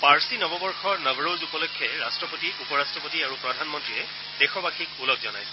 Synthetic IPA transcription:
paɹsinɔbɔbɔɹxɔɹnɔbʱɹozupɔlɔkʰːjɔɹastɹɔpotiupɔɹastɹɔpɔtiaɹupɹɔdʱanmɔntɹiɛ | d̥ɛxɔbaxikulɔɡzɔna̰jsɛ̥

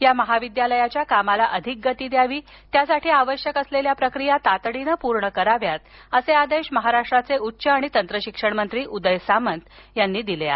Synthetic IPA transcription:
jaməɦaʋid̪jaləjat͡ɕjakamalaʔəd̪ʱik̚ɡət̪iːd̪jaʋiː | t̪jasaʈʰiːaʋəɕjəkəsleljapɾəkɾijat̪at̪ɽinəpuɾɳəkəɾaʋjat̪əsead̪eɕməɦaɾaʂʈɾat͡seutːɕəaɽ̃it̪ənt̪ɾəɕikʂəɳmənt̪ɾiːʔud̪əjsamənt̪janːiːd̪ilea̰

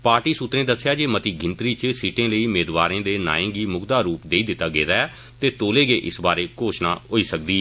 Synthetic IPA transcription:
paːɾʈiːsʊt̪ɾẽːd̪əsːjaːd͡ʒeːmət̪iːɡʱɪ̃nt̪ɾiːt͡ʃəsiːʈẽːləiːmeːd̪ʋaːɾẽːd̪eːna̰ːẽːɡiːmʊɡd̪aːɾuːpd̪eːiːd̪ɪt̪ːaːɡḛːd̪aːɛ | t̪eːt̪oːleːɡeːʔɪsbaːɾeːkoːʃna̰ːɦoːiːsək̚d̪iː

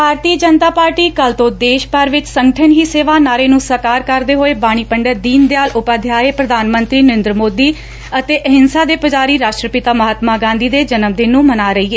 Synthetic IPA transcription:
bʱaːɾt̪iːəd͡ʒənt̪aːpaːɾʈiːkəlt̪õːd̪eːʃpəɾʋɪt͡ʃsəŋɡəʈʰəɳɦiːseːʋaːnaːɾeːnũːsəɾkaːɾkəɾd̪eːɦoːeːbaːɽ̃iːpəɳɖəɾd̪iːnd̪eːaːlʊpaːd̪ʱjaːeːpɾəd̪ʱaːnmə̃nt̪ɾiːnəɾɪ̃nd̪ɾəmoːd̪iː | ət̪eːʔəɦɪnsaːd̪eːpəd͡ʒaːɾiːɾaːʃʈɾəpɪt̪aːməɦət̪maːɡãːnd̪iːd̪eːd͡ʒənəmd̪eːnũːmənaːɾəiːeː

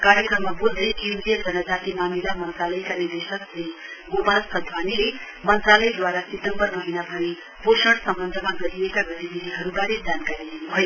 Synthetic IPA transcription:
kaɾjʌkrʌmːabold̪ʌjkiwd̪ʱijʌd͡zʌnʌd͡zat̪imamilamʌnt̪ralʌjkanird̪esʌksiɡomalsʌd̪ʱwanile | mʌnt̪ralʌjd̪waɾaset̪ʌmbʌrmʌɦinapʌni | posʌɽsʌmbʌnd̪ʱʌmaɡʌɾiekaɡʌt̪ibid̪ʱiɦʌɾubaɾed͡zankaɾid̪inubʱʌjo

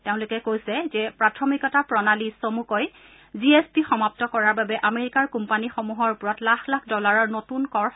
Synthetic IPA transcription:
teʊ̃lʊkɛkojsɛzɛpɹatʰɔmikɔtapɹɔnalisomukoj | ziespixɔmap̚tɔkɔɹaɹbabɛʔameɹikaɹkumpanixomuɦɔɹupʊɹɔtlaxlakʰdɔlaɹɔɹnotunkɔɹ

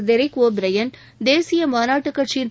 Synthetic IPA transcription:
d̪ɛɾɐkoːbɾɐjɐn | d̪eːsɪjɐmaːnaːʈːɯkːɐʈt͡ʃjɪn

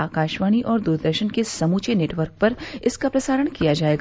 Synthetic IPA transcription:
aːkaːʃʋaːniʔɔːɾd̪uɾd̪əɾʃənkesɐmuːt͡ʃeneːʈʋəɾk̚pɐɾɪskapɾɐsaːɾəɽ̃kijad͡ʒaːeːɡ

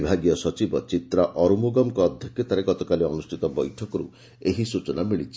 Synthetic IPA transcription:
bʱaɡijɔsɔt͡ʃibɔt͡ʃit̪ɾaʔɔɾumuɡɔmkɔːd̪ʱjɔkʰjɔt̪aɾeɡɔt̪ɔkaliɔnusʈʰit̪ɔbɔjʈʰɔkɔɾṵ | eɦisut͡ʃɔnamiɭit͡ʃʰi̥

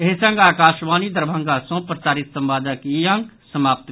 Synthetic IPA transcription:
eɦsə̃ŋɡaːkaːʃʋaːnid̪əɾbʱə̃ŋɡasõpɾəsaːɾit̪sə̃mbaːd̪əkijə̃ŋɡsəmaːp̚t̪

